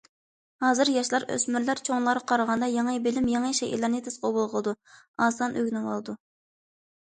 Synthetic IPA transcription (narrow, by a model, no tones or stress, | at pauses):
hɑːzɨɾjɑʃlˠɑɾø̰smyɾlæɾt͡ʃʰoŋllˠɑɾqʰɑɾəʁɑnd̪ɑjɑŋɨbɪlɪmjɑŋɨʃeʔḛlːæɾnɨt̪ʰɪsqobolˠʁəlˠɨd̪u | ɑːsɑnʔøɡʲnɨwɑ̰lˠɨd̪u